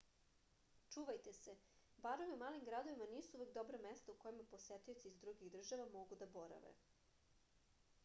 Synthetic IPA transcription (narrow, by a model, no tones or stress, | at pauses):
t͡ʂuːʋajt̪ese | baɾomiumaːlimɡɾad̪o̞ʋimaniːsuuʋek̚d̪obɾamest̪auko̞jimapo̞set̪iot̪siːzd̪ɾuɡiɣd̪r̩ʒaʋamo̞ɡud̪abo̞ɾa̰ʋḛ